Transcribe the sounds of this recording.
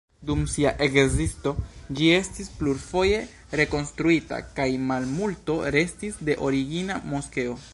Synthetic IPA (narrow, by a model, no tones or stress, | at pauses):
dumsiaʔekzisto̞d͡ʒie̞stispluɾfo̞je̞ | ɾe̞ko̞nst̪ɾuita̰kajmalmulto̞ɾe̞stisde̞ʔo̞ɾiɡinamoske̞o̞